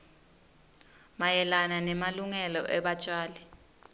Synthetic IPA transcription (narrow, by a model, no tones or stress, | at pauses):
majɛlananɛmaluŋɛlɔʔɛɓat͡ʃʼaːlɛ